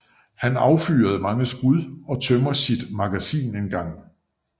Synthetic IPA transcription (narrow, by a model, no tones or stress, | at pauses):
hænɑ̈ʊfy̰ːɐð̞̩ˠmɑ̈ŋəsɡ̥uðˠɒ̽t͡sʰømɐsid̥mɑ̈ɡ̥æsḭːne̝nɡ̥ɑ̈ŋ̰